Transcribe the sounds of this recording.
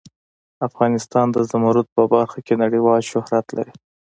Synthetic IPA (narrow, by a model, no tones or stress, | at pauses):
afɣɑnɪst̪ɑnd̪əzamuɾʊt̪̚pəbaɾxakenaɽiwɑlʃʊhɾat̪la̰ɾi